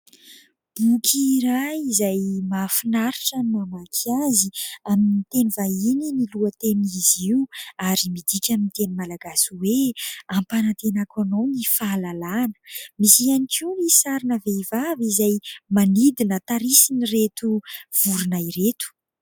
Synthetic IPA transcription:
b̥ukʲʰiɾaizajmafinaɾiʈ͡ʂanmamakʰaziamnit̪enivaininiluət̪eniziuaɾimid̪ikʲamint̪enimalaɡasuweampanat̪enakanawnifalalanə̥misianikiunisaɾinəveivavizajmanid̪inət̪aɾisiniret̪uv̥uɾunajɾet̪u̥

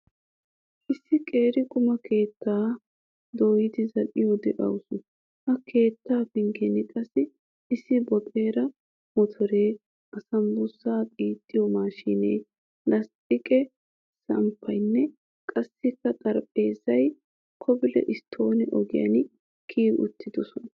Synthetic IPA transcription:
ʔɪsːɪkʼeːɾɪkʼʊmɐkʰe̞ːt̪ːaː | d̪oːjɪd̪ɪzɐʔɪjɔd̪ɛʔɐ̰wsʊ | hɐkʰe̞ːt̪ːaːfɪŋɡɛnɪkʼɐsːɪ | ɪsːɪbɔt̪ʼe̞ːɾɐ | mɔt̪ʰɔɾeː | ʔɐsɐmbʊsːaːkʼiːt̪ʼːɪjɔmaːʃiːnḛː | lɐst̪ʼɪkʼɛ | sɐmpʰːɐjnːɛ | kʼɐsːɪkːɐt̪ʼɐɾpʼe̞ːzɐj | kʰɔbɪlɛ̰ʔɪst̪ʰːo̞ːnɛʔɔɡɪjɐ̰n | kʰiːɡʊ̰t̪ːɪd̪ɔsɔnɐ

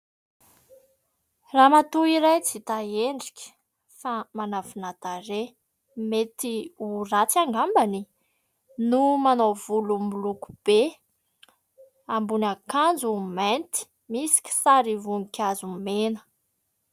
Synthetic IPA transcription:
ramat̪uiɾajt͡sit̪aeɳɖ͡ʐikʲə̥ | famanavinat̪aɾe | met̪iurat͡siaŋɡambani | numanovulumuluku̥b̥e | ambunakand͡zument̪i̥ | misi̥kʲi̥saɾivunikʲazumenə̥

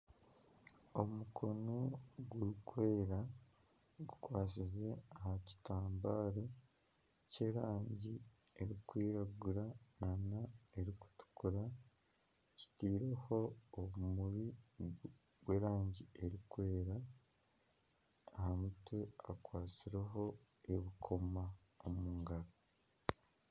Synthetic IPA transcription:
omukʰo̞noɡuɾikwe̞ːɾa | ɡukwaːsize̞ahaci̥taːmbaːɾe | ce̞ɾaːɲɟieɾikwiːɾaɡuɾananae̞ɾiku̥tu̥kuɾa | ci̥tiːɾe̞ho̞ːβumuβi | ɡwe̞ːɾaːɲɟie̞ɾikwe̞ːɾa | hamutwe̞akwaːt͡siɾeɦo̞ | e̞βikʰo̞ma | omuːŋɡaɾo

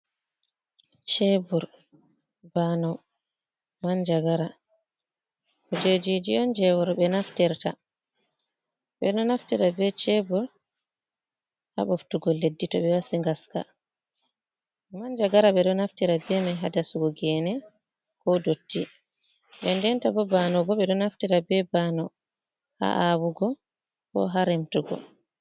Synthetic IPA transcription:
t͡ʃebuɾ | banɔ | mand͡ʒaɡaɾa | kɔd͡ʒed͡ʒid͡ʒijɔnd͡ʒɛwɔɾɓɛnaftɛɾta̰ | ɓɛ̰ɗɔnaftɛɾabɛt͡ʃebuɾ | ha̰ɓɔftuɡɔlːedːitɔɓɛwasiŋɡaska̰ | mand͡ʒaɡaɾaɓɛɗɔnaftiɾabɛmajɦadasuɡɔɡɛnɛ | kɔdotːi | ɓɛndɛntabɔbanɔbɔɓɛɗɔnaftiɾabɛbanɔ | ha̰ʔawuɡɔ | kɔ̰ɦaɾɛmtuɡɔ̰

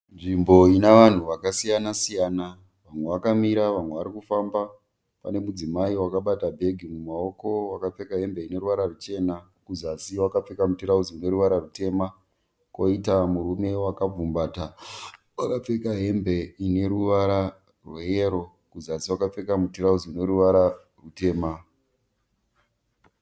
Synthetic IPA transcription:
nʐimbo̞inaʋan̤uʋakasijanasijaːna | ʋamwe̞ʋakamiɾaʋamwe̞ʋaɾikufamba | pa̰ne̞mud͡zimaiwakaɓatabʱe̞ɡʱimumao̞ko̞wakap͡fe̞kaɦe̞mbe̞ine̞ɾuʋaɾarut͡ʃe̞ːna | kuzasiwakap͡fe̞kamutiɾaud͡ziune̞ɾuʋaɾarute̞ːma | ko̞itamuɾume̞wakab͡vumbaːta | wakap͡fe̞kaɦe̞mbe̞ine̞ɾuʋaɾa | rwejeɾo̞ | kuzasiwakap͡fe̞kamutiɾauziine̞ɾuʋaɾa | rute̞ːma

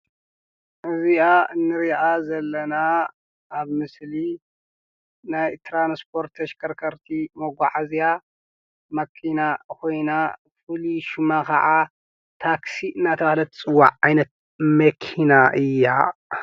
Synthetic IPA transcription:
ʔɨziaɨnːɨɾiʔazɐlːɐna | ʔːβmɨsli | najt̪ʰɾanspʰo̞ɾt̪ʰɐʃkʰɐɾkʰɐɾt̪ʰimoɡʷaʕazija | mɐkʰinakʰo̞jna | fɨliʃɪmakʰɐʕa | t̪ʰaksiʔɨnːat̪ʰɐβahlɐt̪t͡sʼɨwːa̰ʕʕajnɐt̪̚ | mɐkʰinaʔɨjːa

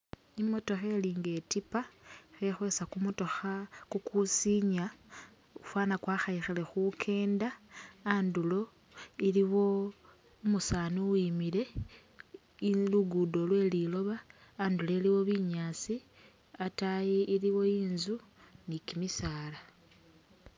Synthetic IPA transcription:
imo̞to̞xe̞liːŋɡe̞tipaxexwe̞sakumotoxakukusiɲa | ufwaːnakwaːxaixele̞xukʰe̞ːndaː | ndulo̞ | iliβo̞ | umusaːnuwimile̞ | luɡudolwe̞lilo̞βaː | ndule̞liwo̞βiɲaːt͡si | atajiiliwo̞iːnzunikimisaːla

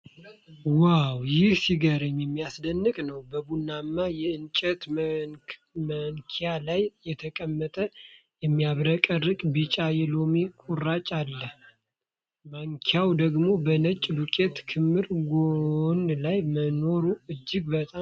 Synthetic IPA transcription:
wawjɪhsiɡəɾəɲːjɛmːijasd̪ənːɨkʼnəwbəbunːamːajɛɨnt͡ʃʼət̪ | məŋkʰijalajjɛt̪ʰəkʼəmːət̪ʼə | jɛmːijaβɾəkʼərːɨkʼbɨt͡ʃʼajɛlo̞mikʼurːat͡ʃʼalːəh | maŋkʰjawd̪əɡmo̞bənət͡ʃʼːd̪ukʼe̞t̪kʰɨmːɨɾɡonlajməno̞ɾuɨd͡ʒːɪɡbət̪ʼa

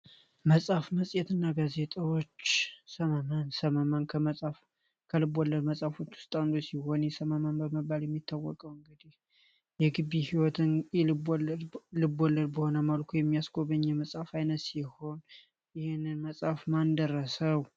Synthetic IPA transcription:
məsʼafməsʼjɛt̪ɨnːaɡaze̞t̪ʰʼawo̞t͡ʃːsəməmansəməmankʰəməsʼaf | kʰəlɨbolːəd̪məsʼafot͡ʃːwʊ̥st̪ʼand̪osiho̞njɛsəmənmanbəməbaljɛmːit̪ʰːawːɔ̰kʼəwɨŋɡɨd̪ih | jɛɡɨβːihiwɔt̪ʰɨn | lɨbolːəd̪bəho̞nəməlkʰujɛmːijasɡʰʼoβəɲːɛməsʼafajnət̪siho̞n | jɪhɪnːɨnməsʼafmand̪ərːəsəw

